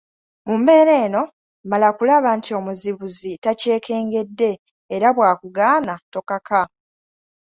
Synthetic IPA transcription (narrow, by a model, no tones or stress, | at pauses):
mumbe̞ːɾe̞ːno̞ | malakulaβantʰio̞muziβuzitace̞ːke̞ːŋɡe̞dːe̞ː | ɾaβwaːkuɡaːnato̞kaka